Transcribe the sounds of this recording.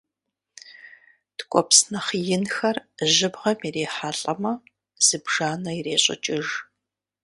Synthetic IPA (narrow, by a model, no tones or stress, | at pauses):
tkʷʼɔpsnɐχjɪnxɐrʒɪbʁɐmireːħaːɬʼɐmɐ | z̥ɨbʒ̥aːnɐireːɕʼɪ̰t͡ʃʼɪʒ